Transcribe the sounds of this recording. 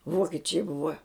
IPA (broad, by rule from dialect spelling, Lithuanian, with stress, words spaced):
ˈʋoːkʲɪt͡ʃʲɛɪ ˈbʊʋɐ